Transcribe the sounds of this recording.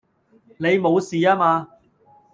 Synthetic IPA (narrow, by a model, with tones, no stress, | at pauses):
ne˨˧jmo˨˧wsiː˨aː˥maː˧